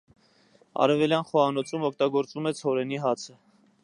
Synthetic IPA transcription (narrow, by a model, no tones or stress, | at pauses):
ɑ̰ɾɛvɛljɑnχɔɑnɔt͡sʰumɔkʰt̪ɑɡɔɾt͡sumɛt͡sʰhɔɾɛniɦɑt͡sʰə